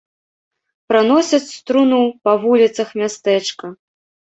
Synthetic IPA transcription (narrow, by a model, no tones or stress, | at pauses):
pɾanɔsʲɐt͡sʲst̪ɾunupɐvulʲit̪sɐxmʲast̪ɛt͡ʂkɐ